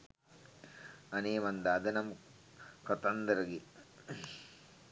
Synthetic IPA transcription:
ɐneːmɐnd̪aːd̪ɐnɐm | kɔt̪ɐnd̪ɐɾɐɡi

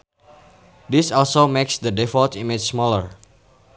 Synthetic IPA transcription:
disɔlsomeksdədɛfɔltimɪt͡ʃsmɔləɹ

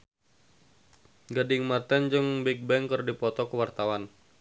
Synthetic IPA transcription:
ɡadɪŋmat̪ɛnd͡ʒɨŋbɛk̚bɛŋkərdipɔt̪ɔkəwart̪awan

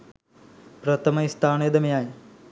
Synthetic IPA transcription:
pɾɐt̪ʰɐmɐist̪ʰaːneːd̪ɐmɐjaːji

